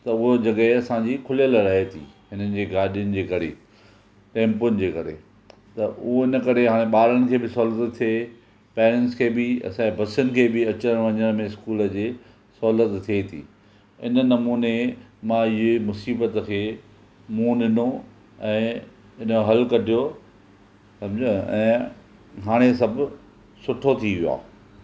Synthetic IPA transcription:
t̪ɐʊɦod͡ʑɐɠəɦeɐsãd͡ʑiːkʰʊlijəlɾɐɦet̪ʰḭːɦɪnənɪ̆d͡ʑeːɡaːɗijʊnɪ̆d͡ʑeːkɐɾḛː | ʈẽːmpʊnɪ̆d͡ʑeːkɐɾḛ | t̪ɐʔʊɦoɪnə̆kɐɾeɦaːɽ̃ẽɓaːɾəñɪ̆kʰeːbɪsɔːlət̪t̪ʰːie | peːɾɛ̃nʈskʰeːbɪɐ̰sãebʱɐsʊnɪ̆kʰeːbɪɐt͡ɕəɽ̃ʋɐɲəɽ̃mẽɪskuːlə̆d͡ʑeː | sɔlət̪t̪ʰːiet̪ʰḭː | ɪ̰nənɐmuːnemãɪɦemʊsiːbət̪əkʰeː | mũːɗɪno | ɛ̃ː | ɪnəɦɐlkɐʈijo | sɐ̃md͡ʑə̃ɛ̰̃ː | ɦaːɽ̃es̬ɐbʱ | sʊʈʰot̪ʰiʋijoa̰ː

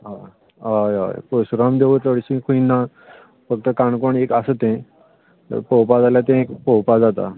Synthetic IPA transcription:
ɦa | ɦaja̰j̰posuɾamd̪eʋət̪ləɽɕĩkʰuinːa | fəɡ̚t̪əkaɳkoɳekasət̪ẽ | ə̰ɾpowpad͡zaljat̪̬ẽekpowpad͡zat̪a̰

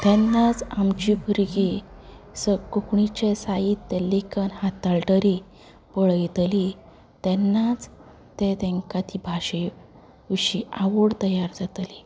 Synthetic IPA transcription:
t̪ɛnːat͡samt͡ɕibʱuɾɡi | səkokɳit͡ɕesait̪ːɛlːekənhat̪alʈəɾi | pəɭjɛt̪li | t̪ɛnːat͡s | t̪ɛt̪ɛ̃ŋkat̪ʰibʱaɕə | ʋiɕiaʋəɽt̪əjaɾd͡zat̪li

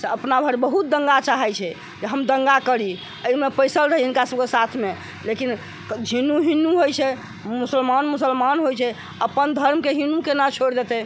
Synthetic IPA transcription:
seəpnabʱəɾbəɦut̪̚d̪əŋɡat͡ʃaɦɛt͡ʃʰɛ | d͡ʒeɦəmd̪əŋɡakəɾi | əimepəjsəlɾəɦɛɦinkasəb̚kesat̪ʰme | lekin | d͡ʒʱinːuɦinːuɦojt͡ʃʰɛ | musəlmanmusəlmanɦojt͡ʃʰɛ | əpənd̪ʱəɾmkeɦinukenat͡ʃʰoɽd̪et̪ɛ

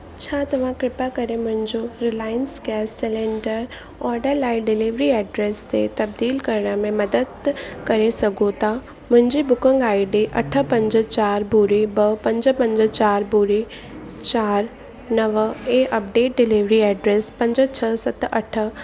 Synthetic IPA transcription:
t͡ʃʰaːt̪ɐʋ̤ãkɾɪpakəɾemʊ̃ɦɪ̃ɲd͡ʒoɾɪlaːjənskɛːsɪlẽɳɖəɾ | ɔːɾɖəɾlaːɪɖɪliʋɾiɛːɖɾeːst̪ḛt̪ɐb̚d̪iːlkəɾɳəmẽmɐd̪əd̪kəɾesɐɡot̪aː | mʊ̃ɦɪ̃ɲd͡ʒibʊkə̃ŋɡaːɪɖeʔɐʈʰəpə̃ɲd͡ʒət͡ʃaːɾbuːɾebəpɐ̃ɲd͡ʒəpə̃ɲd͡ʒət͡ʃaːɾbuːɾe | t͡ʃaːɾ | nəʋəeʔɐp̚ɖeːʈ̚ɖɪliʋɾiɛːɖɾeːspə̃ɲd͡ʒət͡ʃʰəsɐt̪ɐʈʰə

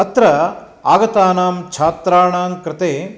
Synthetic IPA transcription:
ɐt̪ɾɐ | aːɡɐt̪aːnaːmt͡ʃʰaːt̪ɾaːɳaːmkɾɪt̪eː

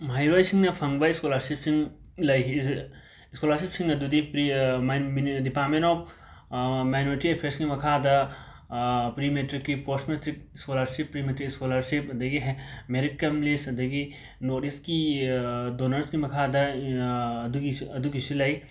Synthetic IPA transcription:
majɾojsiŋnɐpʰɐŋbɐiskɔlɐɾsipsiŋ | lɐj | iskolɐɾsipsĩŋɐd̪ud̪ipɾimmɖipaːɾmẽnɔp | majnoːɾiʈiepʰeɾskimɐkʰad̪ɐ | pɾimeʈɾikːiposmetɾikskolɐɾsipːɾimeʈɾiskɔlɐɾsipɐd̪ɐɡiɦɛmeɾiʈ̚kɐmlisɐd̪ɐɡi | noɾiski | donɐɾskimɐkʰad̪ɐː | d̪uiɐd̪ukisilɐj

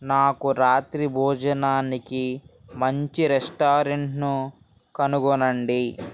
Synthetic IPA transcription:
naːkuɾaːt̪ɾibʱɔːd͡ʒɐnaːniki | mɐɲt͡ʃiɾesʈaːɾeɳʈnu | kɐnuɡɔnɐɳɖi

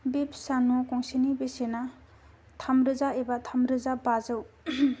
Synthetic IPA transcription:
bep̚sanokɔŋsenibesena | tʰamɾɯzaebat̪ʰamɾɯzabazɯw

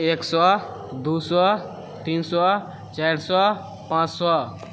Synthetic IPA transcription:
eksɔ | d̪usɔ | t̪iːnsɔ | t͡ʃajɾsɔ | pãt͡ʃsɔ

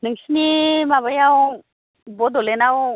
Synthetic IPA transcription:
nɯŋsinimaβajaw | bod̪olenaw

